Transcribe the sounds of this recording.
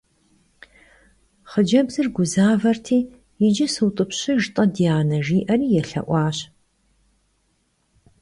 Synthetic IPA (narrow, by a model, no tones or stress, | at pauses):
χəd͡ʒɐbzɨrɡʷʊzaːvɐrtʰiː | jɪd͡ʒɐsɨwtʼɨpɕɪʒtʼɐdijaːnɐʒiːʔɐriːjɛɬɐ̰ʔʷɑːɕ